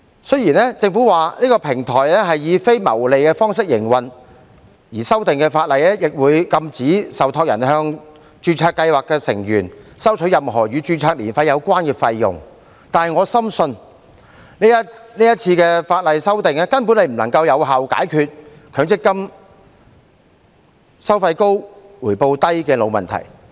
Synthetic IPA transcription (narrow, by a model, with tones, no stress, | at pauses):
sɵ˥ɥjiː˨˩nɛ˥t͡sɪ˧ŋfuː˨˥waː˨niː˥kɔː˧pʰɪ˨˩ŋt̪ʰɔː˨˩jɛ˥ɦɐ˨jjiː˨˧fe˥jmɐ̰˨˩wle˨jkɛː˧fɔː˥ŋs̬ɪ˥k̚jɪ̰˨˩ŋwɐ˨˩n | jiː˨˩sɐ˥wt̪ɪ˨ŋkɛː˧faː˧t̚lɐ˨jɛ˥jɪ˨k̚wuː˨˧jkɐ˧mt͡siː˨˥sɐ˨wt̪ʰɔː˧k̚jɐ˨˩nɦœː˧ŋ | t͡ʃyː˧t͡sʰaː˧kːɐ˧jwaː˨kːɛː˧sɪ˨˩ŋjyː˨˩nsɐ˥wt͡ʃʰɵ˨˥jɐ˨mɦɔː˨˩ɥyː˨˧t͡ʃyː˧t͡sʰaː˧k̚liː˨˩nfɐ˧jɐ˨˧wkʷwaː˥nkɛː˧fɐ˧jːʊ̰˨˩ŋ | t̪aː˨nɦɐ˨jŋɔː˨˧sɐ˥msɵ˧n | ni˥jɐ˥tniː˥jɐ˥t̚t͡sʰiː˧kɛː˧faː˧t̚lɐ˨jsɐ˥wt̪ɪ˨ŋɛ˥kɐ˥npu˨˥nːe˨˧jm̩˨˩nɐ˨˩ŋkɐ˧wjɐ˨˧wɦa˨wka̰ː˨˥jkʰyː˨t̚ | kʰœː˨˧˥ŋt͡sɪ˥kːɐ˥m | sɐ˥wfɐ˧jko˥wwuː˨˩jpo˧wt̪ɐ˥jkɛː˧lo˨˧wmɐ̰˨nt̪ʰɐ̰˨˩j